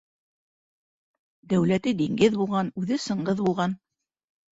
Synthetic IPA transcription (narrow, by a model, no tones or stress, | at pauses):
d̪æwlæt̪ɘd̪iŋɡɘðbulˠʁɑnʉðɘsɤ̆ɴɢɤðbulˠʁɑn